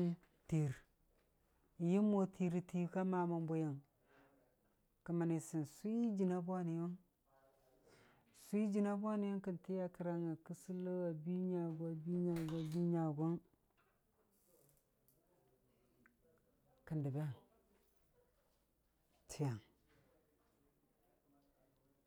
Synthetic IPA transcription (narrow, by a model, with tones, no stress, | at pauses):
ti˨ɾ | ji˦mo˦tʰi˨ɾi˦ti˦ka˦ma˨ma˨mbo˦ja˨ŋ | ki˨ma˨ni˨si˨nsʷu˦d͡ʒi˨na˦bʷa˦ni˨jo˦ŋ | si˦i˦d͡ʒi˨na˦bʷa˦ni˨˦jo˦ŋki˨nti˦ja˦ki˨ɾa˦ŋa˨ki˦si˦lə˦wa˨bi˦ɲa˨ɡʷa˦bi˦ɲa˨ɡa˨bi˦ɲa˨ɡo˦n | ki˨ndi˨ba˦a˨ | tʰi˨ja˨ŋ